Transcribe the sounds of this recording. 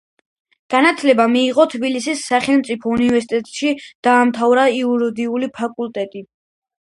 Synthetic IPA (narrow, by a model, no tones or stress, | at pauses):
ɡ̥anat̪ʰlɛbamiːʁɔt̪ʰbilisisːaχɛlˠmt̪sʼipʰɔunivɛɾsit̪ʼɛt̪ʼʃid̪̥aːmt̪ʰavɾaiuɾɔd̪iulipʰakʼulˠt̪ʼɛt̪ʼi